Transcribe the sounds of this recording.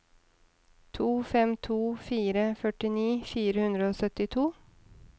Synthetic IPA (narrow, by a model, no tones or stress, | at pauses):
t̪ʰuːfɛmt̪ʰuːfiːɾəfœʈɪniːfiːɾəhʉnd̪ɾəoːsœt̪ɪt̪ʰuː